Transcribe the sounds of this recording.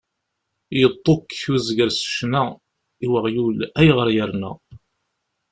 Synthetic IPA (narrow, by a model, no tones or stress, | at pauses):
jət̪ˤːokːuzɡəɾsə̥ʃnæ | iwəʁjulæjʁəɾjəɾnæ̰